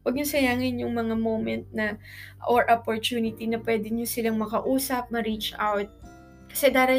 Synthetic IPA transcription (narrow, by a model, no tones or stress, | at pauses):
wɐɡ̚ɲʊsɐjaːŋɪnjʊŋmɐŋamowmɛnt̪̚nɐʔoɹʔopoɹt̪uːnɪt̪inɐpwɛːd̪ɪɲosɪlaŋmɐkɐʔuːsɐp̚mɐɾiːt͡ʃʔawt̪̚ | kɐ̥sɛd̪aːɾɐ